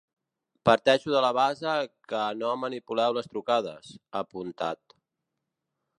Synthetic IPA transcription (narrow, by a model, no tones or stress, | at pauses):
pəɾt̪ɛʃuðələβazəkənomənipulɛwləst̪ɾukað̞ə̰səpunt̪a̰t̪